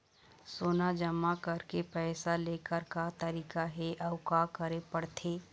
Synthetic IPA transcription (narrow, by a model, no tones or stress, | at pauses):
soːnad͡ʒəmːakəɾkepɛːsaleːkəɾkat̪əɾiːkaɦɛʔɐʊkakəɾepəɽt̪ʰeː